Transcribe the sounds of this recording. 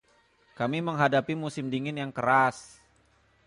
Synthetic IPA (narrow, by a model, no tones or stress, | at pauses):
kamiməŋɦadapimusɪmdiŋɪnjaŋkəɾas